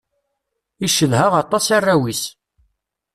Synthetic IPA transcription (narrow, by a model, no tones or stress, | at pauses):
iʃːəðɦaʁɑt̪ˤːɑsarˤːæwis